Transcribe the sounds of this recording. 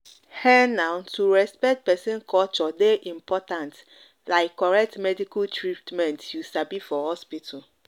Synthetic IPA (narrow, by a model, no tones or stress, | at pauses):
hɛnãʊntʰuɹɛspɛk̚t̚pɛsɛ̃nkʰɔlt͡ʃɔdeʔĩmpʰɔtãnt | laɪkʰːɔɹɛk̚tmɛdikaltʰɹitmɛ̃ntjusabifɔhɔspitʰɔl